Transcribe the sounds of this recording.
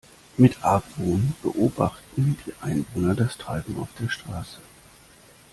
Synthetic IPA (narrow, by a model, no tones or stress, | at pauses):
mɪtʰʔaːkvoːnb̥əʔoːba̰χtn̩d̥iːʔa̰ɪnvoːnɐdastʁ̥aɪbm̩a̰ʊfd̥eːɐʃtʁ̥aːsə̥